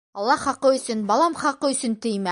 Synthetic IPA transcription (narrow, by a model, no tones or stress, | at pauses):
ɑlˠːɑχɑqɤɵ̆sɘnbɑlˠɑmχɑqɤɵ̆sɘnt̪ɵjmæ